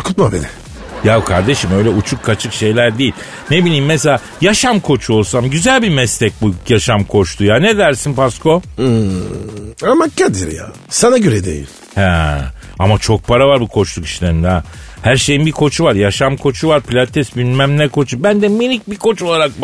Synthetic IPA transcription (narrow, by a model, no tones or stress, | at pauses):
kʰut̪̚mabed̪i | jakʰaɾd̪e̞ʃimø̞jlʲɛut͡ʃʰukʰːat͡ʃʰɯkʃe̞jlʲæɾd̪iːlʲ | nebilʲiːmːeselʲaː | jaʃamkʰo̞t͡ʃʰuo̞lˠsamɟyzælʲbimɛslɛc̚bujaʃamkʰo̞t͡ʃt̪ʰujanɛd̪æɾsinpasko̞ | amacːad̪ḭɾja̰ | sanaɟøɾɛd̪ḛjḭlʲ | hɛ | amat͡ʃʰo̞k̚pʰaɾavaɾbukʰo̞t͡ʃlˠuki̥ʃlʲeɾind̪a | hæɾʃe̞jinbikʰo̞t͡ʃʰuvaɾjaʃamkʰo̞t͡ʃʰuvaɾpilʲat̪ʰːɛsbinmæmnʲɛkʰo̞t͡ʃʰubænd̪ɛmilʲic̚bikʰo̞t͡ʃolˠaɾak̚